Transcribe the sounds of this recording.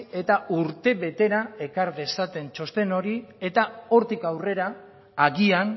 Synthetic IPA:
e̞t̪auɾt̪e̞βe̞t̪e̞ɾae̞kaɾðe̞sat̪e̞nt͡ʃo̞st̪e̞no̞ɾie̞t̪ao̞ɾt̪ikawre̞ɾaː | ɣian

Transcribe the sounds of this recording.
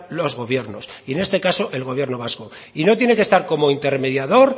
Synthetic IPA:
lo̞zɣo̞βje̞ɾno̞sie̞ne̞st̪e̞kaso̞ʔelɣ̞o̞βje̞ɾno̞β̞asko̞ | ino̞t̪̬je̞ne̞ke̞st̪aɾko̞mo̞int̪e̞ɾme̞ðjaðo̞ɾ

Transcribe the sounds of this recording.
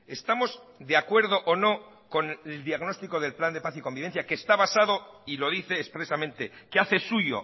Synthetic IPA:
e̞st̪amo̞zd̪eakwe̞ɾð̞o̞ʔono̞ | ko̞neld̪jaɣno̞st̪iko̞ðe̞lpland̪e̞paθiko̞mbiβe̞nθjakeːst̪aβasaðo̞ilo̞ðiθe̞ːspɾe̞samẽ̞nt̪e̞keaθe̞suʝo̞̰

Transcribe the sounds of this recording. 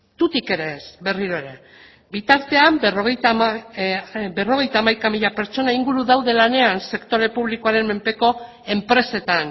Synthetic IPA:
t̪ut̪ike̞ɾe̞sbe̞riɾo̞eɾe̞ | bit̪aɾt̪e̞amroɣe | bero̞ɣ̞e̞jt̪aːmajkamiʎape̞ɾt͡ʃo̞naiŋɡuɾuðawðe̞lane̞anse̞kt̪o̞ɾe̞puβliko̞aɾe̞mme̞mpe̞ko̞ | e̞mpɾe̞se̞t̪an

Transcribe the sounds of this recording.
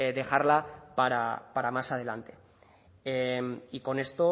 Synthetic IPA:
eðe̞xaɾlapaɾa̰paɾamasað̞e̞lant̪e̞̥ | emiko̞ne̞st̪o̞

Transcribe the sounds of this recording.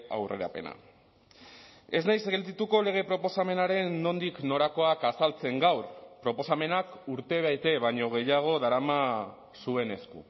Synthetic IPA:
a̰wre̞̰ɾa̰pe̞̰na̰ | e̞znajseɣe̞ld̪it̪uko̞le̞ɣ̞e̞pɾo̞po̞same̞naɾe̞nːo̞nd̪ikno̞ɾako̞akasalt͡se̞ŋɡawrpɾo̞po̞same̞nakuɾt̪e̞βajt̪e̞βaɲo̞ɣ̞e̞jaɣ̞o̞ðaɾama | sue̞ne̞skṵ

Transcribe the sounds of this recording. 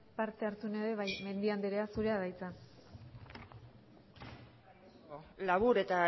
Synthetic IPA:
paɾt̪e̞aɾt͡s̪une̞ðe̞βajme̞nd̪iand̪eɾeasuɾe̞aðajt͡sa | laβuɾe̞t̪a

